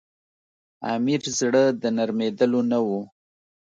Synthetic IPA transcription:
a̰miɾzɽəd̪ənaɾmed̪əlonawu

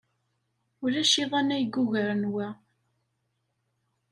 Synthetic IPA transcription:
ʊɾæʃiðˤænæjɡːʊʝəɾənwæ

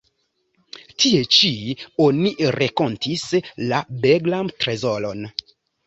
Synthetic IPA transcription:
tʰie̞t͡ʃio̞niɾʔeko̞ntislabeɡlantɾezo̞lo̞n

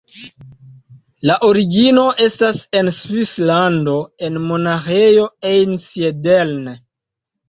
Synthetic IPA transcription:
laʔo̞ɾiɡino̞ʔe̞stase̞nsvislando̞e̞nmo̞naxejo̞ejnsiedelne

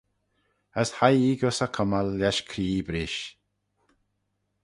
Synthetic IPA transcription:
əshajiːɡʊsəkʰɔmalːɛʃkʰɾiːbɾɪʃ

